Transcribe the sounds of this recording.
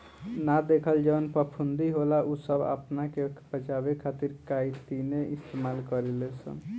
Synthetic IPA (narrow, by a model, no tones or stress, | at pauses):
nad̪ekʰəld͡ʒənpəpʰund̪iɦolaʔusəba̰pnakebət͡ʃabekʰat̪iɾkait̪ineʔist̪emalkəɾelesə̰n